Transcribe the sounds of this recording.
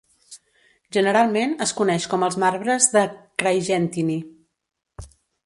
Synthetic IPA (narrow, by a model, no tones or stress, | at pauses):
ʒənəɾalˠmenəskunɛʃkɔməlˠzmaɾβɾəzðəkɾajʒɛnt̪ini